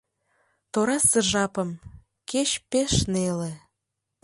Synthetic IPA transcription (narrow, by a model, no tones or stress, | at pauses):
t̪oɾɑsəʒɑpəm | ket͡ɕpeʃnele